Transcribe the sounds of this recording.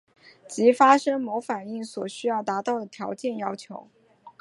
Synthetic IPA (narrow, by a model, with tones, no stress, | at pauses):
t͡ɕi˧˥fa˥ʂɤ˥ŋmo˧˥ʊfa˨˩ni˥˩ŋswɔ˨˩ɕy˥jɑ˥˩ʊt̪a˧˥t̪ɑ˥˩ʊd̪ə˩t̪ʰjɑ˧˥ʊt͡ɕjɛ˥˩njɑ˥ʊt͡ɕʰjo˧˥ʊ